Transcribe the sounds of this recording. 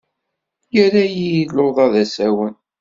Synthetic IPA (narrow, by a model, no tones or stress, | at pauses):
jəɾajijlːoðˤɑðæsæwən